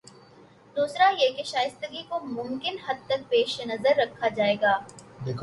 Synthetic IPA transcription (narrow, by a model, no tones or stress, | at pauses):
d̪uːsɾajekeʃaːjɪst̪əɡikomʊ̃mkɪnɦɐd̪̚t̪ɐk̚peːʃnɐzəɾːɐkʰːad͡ʒaːeːɡaːd̪ekʰ